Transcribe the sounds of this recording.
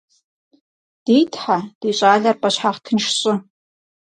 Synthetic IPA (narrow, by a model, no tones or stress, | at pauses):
d̥ejtʰħad̥eɕʼaːɮɐrpʼɐɕħaχtʰɨnʂɕʼɪ